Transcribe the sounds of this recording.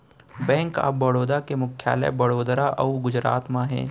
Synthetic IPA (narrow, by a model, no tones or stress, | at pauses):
bɛ̃ːŋka̰ːɐɽoːd̪akemʊkʰja̰ːlə̰bɐɽoːd̪ɾaʔɐuɡʊd͡ʒɾaːt̪mãɦɛ̰̃ː